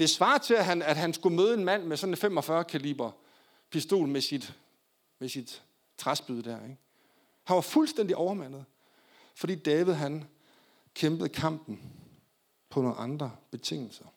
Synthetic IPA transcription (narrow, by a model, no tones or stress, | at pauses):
d̥e̝sʋɑ̈ːt͡sʰe̝æɦænæd̥ɦænsɡ̥umøːð̞ˠe̝nmæn̰mesɒ̽nenfemɒ̽fɶɐkʰælḭːb̥ɐ | pʰisd̥o̝̰ːlmesid̥ | mesid̥ | t͡sʰʁɑsb̥yð̞ˠəd̥æɐ̰eɡ̥ | hænʋɑ̈fulsd̥en̰d̥iʔɒʊɐmæn̰ð̩ˠ | fɒ̽d̥ḭːd̥ɛːʋið̞̩ˠɦæn | kʰemb̥əð̩ˠkʰɑ̈m̰b̥n̩ | pʰɒ̽no̝ːnɑ̈nd̥ʁɐb̥e̝t͡sʰe̝ŋ̰l̩sɐ